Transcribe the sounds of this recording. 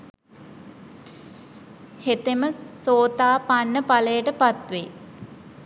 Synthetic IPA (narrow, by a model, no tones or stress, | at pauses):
het̪eməsoːt̪aːpanːəpaləjəʈəpat̪ʋe